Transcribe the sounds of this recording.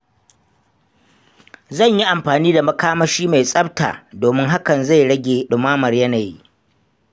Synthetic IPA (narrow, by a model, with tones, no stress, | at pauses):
zɐ˦˨ɲji˦ʔa˨mɸaː˨niː˦da˨mɐ˦kaː˦mɐ˦ʃiː˦ma˨jsʼɐ˦b̚ta̰ː˨doː˨mɪ˦ŋɦa˦kɐ˨nza˦˨jɽɐ˦ɡʲeː˨ɗʊ˨maː˦mɐ˨rjɐ˦naː˨ji˦